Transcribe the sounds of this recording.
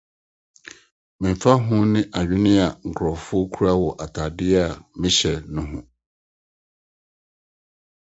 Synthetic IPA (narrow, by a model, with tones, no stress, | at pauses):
mɪ̃˨m˨fa˦ɦʊ̃˦nɪ̃˦ʔa˨ɥᶣɪ˦nɪ̃˦a˨ŋ̩˨kʰɾɔ˨fʊ˦ɔ˦kʰu˦ɾa˦wɔ˨ʔa˨tʰa˨dɪ˦a˦˨mɪ̃˦ɕɛ˨nʊ̃˦ɦʊ̃˨